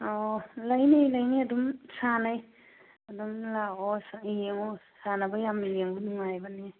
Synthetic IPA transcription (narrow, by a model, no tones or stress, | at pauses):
ɔlajnijlajniɐdumsanaj | ɐdumlaɔsaijeŋɔ | sanabajamijeŋbunuŋajbani